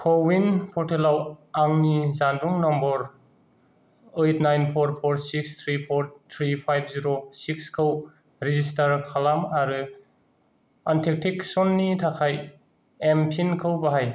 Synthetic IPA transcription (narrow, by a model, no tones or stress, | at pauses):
kʰɔwinpʰɔɾtʰelawaŋnizanduŋnɔmbɔɾ | ejtʰnajnpʰɔɾpʰɔɾsikst̪ʰɾipʰɔɾt̪ʰɾipʰajb̚ʰziɾosikskʰɯw | ɾizistaɾkʰalamaɾɯ | antʰek̚tʰiksɔnːitʰakʰaj | empʰinkʰɯwbaɦaj